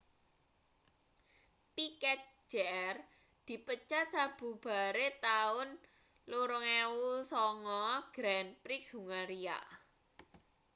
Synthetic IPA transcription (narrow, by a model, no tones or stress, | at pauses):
pikɛk̚d͡ʒ̥eɛr | d̪̥i̤pət͡ʃat̪̚sab̥ṳb̥a̤ɾet̪aʊn | luɾʊŋɛusɔŋɔɡ̥ɾɛnpɾiksuŋaɾia̰ʔ